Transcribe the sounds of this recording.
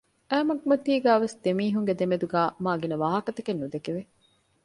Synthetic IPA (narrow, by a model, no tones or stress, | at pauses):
æːmɐɡumɐt̪iːɡæːʋesd̪̥emiːɦuŋɡed̪emed̪uɡæːmaːɡinɐʋaːɦɐkɐt̪ekenːud̪ekiʋe